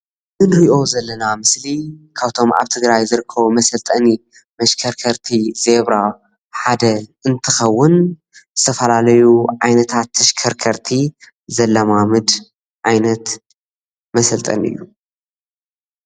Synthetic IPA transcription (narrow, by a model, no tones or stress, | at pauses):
mɨnɾiʔo̞zɐlːɐnamɨslikʰaβt̪ʰo̞ma̰βt̪ʰɨɡɾajzɨɾɨkʰːɐβumɐsɐlt̪ʼɐni | mɐʃkʰɐɾkʰɐɾt̪ʰizeβɾa | ħad̪ɐɨnt̪ʰɨxɐwːʊn | zɨt̪ʰɐfɐlalɐjuʕajnɐt̪ʰat̪ːɐʃkʰɐɾkʰɐɾt̪ʰi | zɐlːɐmamɨd̪ | ʕajnɐt̪ | mɐsɐlt̪ʼɐ̰nɨ̰jːu